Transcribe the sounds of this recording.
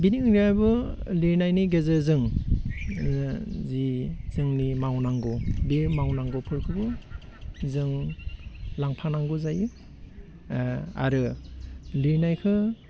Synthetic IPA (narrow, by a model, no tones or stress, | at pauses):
biniŋŋniajbɯ | liɾnajniɡezɯzɯŋ | ziz̥ɯŋnimawnaŋɡɔbiɾmawnaŋɡɔpʰɯɾkʰɯɡɯ | zɯŋ | laŋpʰanaŋɡuzajɯ | a̰ɾɯ | liɾnajkʰɯ